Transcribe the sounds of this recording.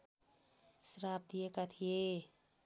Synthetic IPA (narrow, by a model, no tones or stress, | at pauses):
sɾaːp̚d̪ijekat̪ʰije